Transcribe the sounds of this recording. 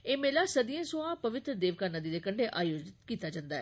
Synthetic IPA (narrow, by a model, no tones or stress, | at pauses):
eːmeːlaːsəd̪ijãːsõãːpəʋɪt̪ɾəd̪eːʋkaːnəd̪iːd̪eːkəɳɖeːʔaːjoːd͡ʒɪt̪kiːt̪aːd͡ʒãːnd̪aːɛ